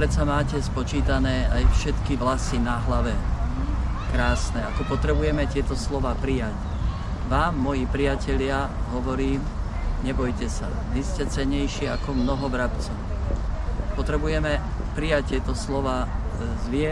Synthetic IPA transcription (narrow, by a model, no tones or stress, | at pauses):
pɾɛt̪samaːcɛspɔt͡ʃiːt̪anɛːajfʃɛt̪kiʋlasinaɦlaʋɛ | kɾaːsnɛakɔpɔt̪ɾɛbujɛmɛt̪ɪɛt̪ɔslɔʋaːpɾijac | ʋaːmːɔjipɾijacɛʎɪaɦɔʋɔɾiːmɲɛbɔjcɛsa̰ʋiscɛt͡sɛɲɛjʃɪɛakɔmnɔɦɔbɾapt͡sɔʊ | pɔt̪ɾɛbujɛmɛ | pɾijac̚t̪ːɪɛt̪ɔslɔʋaː | zʋɪɛ